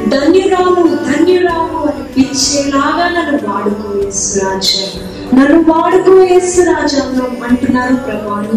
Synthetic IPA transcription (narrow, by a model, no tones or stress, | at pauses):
d̪ʱɐnjɐɾaːmud̪ʱɐnjɐɾaːmuɐnipit͡ʃːeːlaːɡaːnɐnːuʋaːɽuɡuʋeːsuɾaːd͡ʒɐ | nɐnːuʋaːɽuɡuʋeːsuɾaːd͡ʒɐmɾɐɐɳʈunːaːɾupɾɐmaːɳɐ